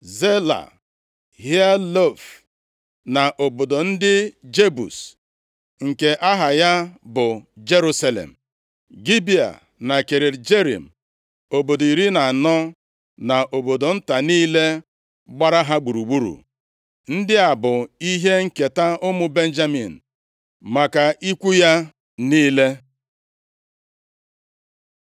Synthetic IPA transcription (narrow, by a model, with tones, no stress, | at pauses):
ze˦la̰˨ | ɦja˦lo˦˨f | na˨ʔo˨bo˨do˨n̩˦dɪ˦d͡ʒe˦bṵ˨s | ŋ̩˨ke˨ʔa˦ɦa˨ja˦bʊ˨d͡ʒe˦ɾu˦sa˦lḛ˨m̩˨ | ɡi˦bi˦a̰˨ | na˨ke˨ɾe˨ɾd͡ʒe˦ɾḭ˨m̩˨ | o˨bo˨do˨i˨ɾi˦na˨nɔ˦ | na˨ʔo˨bo˨do˨n̩˦ta˨niː˦le˦ | ɡ͡ba˦ɾa˦ɦa˦ɡ͡bu˨ɾu˨ɡ͡bu˦ɾṵ˨ | n̩˦dɪ˦a˨bʊ˨i˦ɦe˦ŋ̩˨ke˨ta˦ʊ˦mʊ˦be˦n̩˦d͡ʒa˦mḭ˨n̩˨ | ma˨ka˨ʔi˦kʷu˦ja˦ | niː˦le˦